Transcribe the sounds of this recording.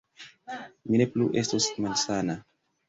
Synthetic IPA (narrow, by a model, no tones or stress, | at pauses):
minepluʔestosmansana